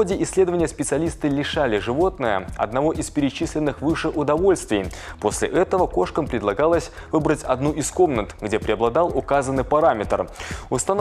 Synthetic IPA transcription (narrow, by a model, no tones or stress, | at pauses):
odʲɪʔɪsʲlʲe̞d̪əvənʲɪjəspʲɪt̪sɨɐlʲist̪ɨlʲɪʂalʲɪʐɨvo̞t̪nəjə̰ɐ̰d̪nɐvo̞ʔɪspʲɪɾʲɪt͡ɕisʲlʲɪnːɨxvɨʂɨʔʊd̪ɐvo̞lʲst̪vʲɪj | po̞sʲlʲɪ̰ʔɛt̪əvəko̞ʂkəmpɾʲɪd̪lˠɐɡalˠəsʲ | vɨbɾətʲɐd̪nuʔɪsko̞mnət̪ɡdʲe̞pɾʲɪɐblˠɐd̪ɑlˠʊkazənːɨjpɐɾamʲɪt̪rʊst̪ɐn